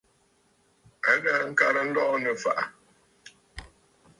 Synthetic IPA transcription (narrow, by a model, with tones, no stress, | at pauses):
ə˦ɣə˦˨˦ŋ̩˦ka˦ɾə˦n̩˦dɔ˦ʔɔ˦nə˨fa˨ʔa˨